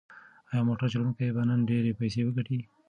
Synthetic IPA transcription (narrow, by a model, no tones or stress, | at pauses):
ajɑmoʈaɾt͡ʃalunkajbanənɖeɾepajsewəɡaʈi